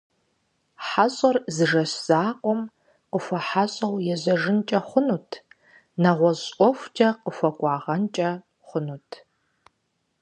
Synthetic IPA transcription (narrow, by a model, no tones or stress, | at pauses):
ħaɕʼɐrzɨʐɐɕz̥aːqʷʼɔm | qəfʷɐħaɕʼɐwjɛzɐʐɨnt͡ʃʼɐχʷʊnuːtʰ | nɐʁʷɔʑʼʷɔfʷd͡ʒʼɐqəfʷɐkʷʼɑːʁɐnt͡ʃʼɐ | χʷʊnuːtʰ